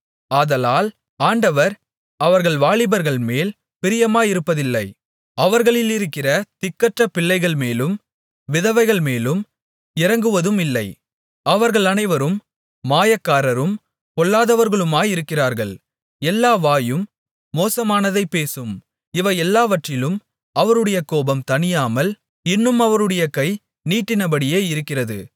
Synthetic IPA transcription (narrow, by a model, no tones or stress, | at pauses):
aːðɐlaːl | aːɳɖɐʋɐɾ | ɐʋɐɾɣɐɭʋaːɭɪbɐɾɣɐɭmeːl | pɪɾɪjɐmaːɪɾɯpːɐðɪlːɐɪ | ɐʋɐɾɣɐɭɪlɪɾɯkːɪrɐt̪ɪkːɐʈrɐpɪɭːɐɪɣɐɭmeːlɯm | ʋɪðɐʋɐɪɣɐɭmeːlɯm | ɪɾɐŋɡɯʋɐðɯmɪlːɐɪ | ɐʋɐɾɣɐɭɐnɐɪʋɐɾɯmː | aːjɐkːaːɾɐɾɯm | kɔɭːaːðɐʋɐɾɣɐɭɯmaːjɪɾɯkːɪraːɾɣɐɭ | ɛlːaːʋaːjɯmː | oːsɐmaːnɐðɐɪpːeːsɯm | ɪʋɐɛlːaːʋɐʈrɪlɯm | ʔɐʋɐɾɯɽɐjɐkoːbɐmt̪ɐnɪjaːmɐl | ɪnːɯmɐʋɐɾɯɽɐjɐkɐɪ | niːʈːɪnɐbɐɽɪjeːɪɾɯkːɪrɐðɯ̰